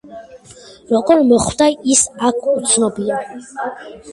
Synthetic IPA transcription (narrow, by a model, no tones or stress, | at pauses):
ɾɔɡɔɾmɔχwd̪aisakʰut̪sʰnɔbia